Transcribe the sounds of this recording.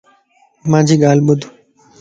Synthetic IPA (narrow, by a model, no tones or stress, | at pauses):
mãd͡ʑʱiɡalbod̪ʱu